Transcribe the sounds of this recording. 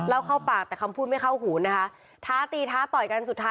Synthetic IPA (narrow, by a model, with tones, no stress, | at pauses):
lɛː˦˥wkʰa˥˩wpaː˨˩k̚t̪ɛː˨˩kʰa˧mpʰu˥˩ma˥˩jkʰa˥˩wɦuː˩˦na˦˥kʰa˦˥ | t̪ʰaː˦˥t̪iː˧t̪ʰaː˦˥t̪ɔ˨˩jka˧nsu˨˩t̪ʰːaː˦